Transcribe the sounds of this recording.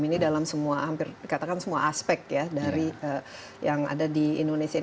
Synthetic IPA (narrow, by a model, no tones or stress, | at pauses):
minidalamsəmuahampɪrikat̪akansəmua̰ʔaspɛk̚t̪jadaɾiə | jaŋa̰dadiːndonesia